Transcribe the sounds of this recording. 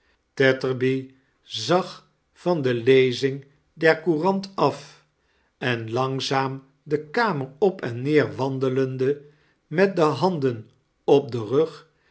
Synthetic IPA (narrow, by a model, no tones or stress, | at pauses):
tɛtəɹbi | zɑχ | fɑndəlejzɪŋ | dɛɹkurɑntɑf | ɛnlɑŋzaːm | dəkaːməɹɔpɛnːɪːɹʋɑndələndə | mɛt̚dəɦɑndən | ɔb̚dərɵχ